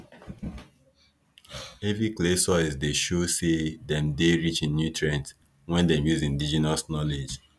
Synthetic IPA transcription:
eviklesɔizdeʃosedɛ̃mdeɹit͡ʃĩnːjutʰɹɛ̃nt | wɛ̃ndɛ̃mjuzĩndid͡ʒinasnɔled͡ʒ

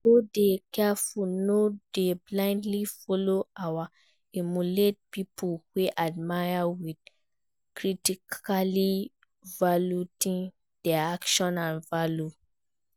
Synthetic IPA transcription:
dodekɛfulnodeblãɪ̃ndlifɔloawa | imulet̚pipʰuweʔad̚majawid | kɹitikʰali | valutĩn | dɛakʃɔ̃nãnvalju

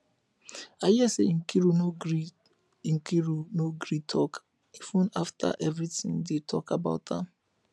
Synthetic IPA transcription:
ajiasḛŋ̩kiɾunoi | ŋ̩kiɾunoɡɾitʰɔk | ivũnaftʰa̰ʔɛvɾitɪ̰̃ŋdetʰɔkaba̰ʊt̚ðã̰m

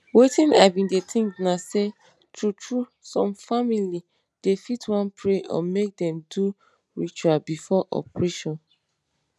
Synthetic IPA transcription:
wetĩna̰vĩndet̪ʰĩŋknase | tʰutʰɹusɔ̃mfamili | d̥efitʰwãnpʰɹeʔɔ̰̃mek̚dɛ̃mdu | ɹit͡ʃualbifɔʔɔ̰pɹɛʃɔ̃n

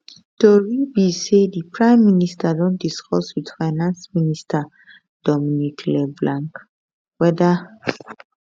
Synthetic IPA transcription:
tɔɹibisedipʰɹãɪ̃mːinistʰadɔ̃ntdiskʰɔswid̥faɪnãnsministʰa | d̥ɔminikʰlɛblãŋk | wɛda

